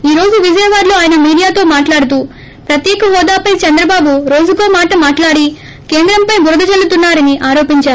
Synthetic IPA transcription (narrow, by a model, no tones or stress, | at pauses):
iːɾo̞ːd͡ʒuʋid͡ʒɛjɐʋaːɾloːaːjɐnɐmiːɽijaːt̪o̞ːmaːʈlaːɽut̪̬uː | pɾɐt̪jɛːkɐɦɔːd̪aːpɐjt͡ʃɐnd̪ɾɐbaːbuɾo̞ːd͡ʒuko̞ːmaːʈɐmaːʈlaːɽi | ke̞ːnd̪ɾɐmpɐjbuɾɐd̪ɐd͡ʒɐlːut̪unːaːɾɐniʔaːɾo̞ːpiɲt͡ʃaːɾu